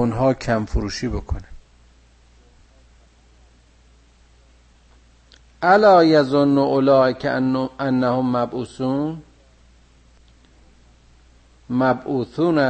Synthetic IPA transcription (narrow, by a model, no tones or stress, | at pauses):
unɦɒːcʰæmfoɾuːʃiːbokʰonæ | ʔælɒːjæzonːʊʔolɒːʔekʰænːæhomːæbʔuːsuːn | mæbʔuːsuːnæ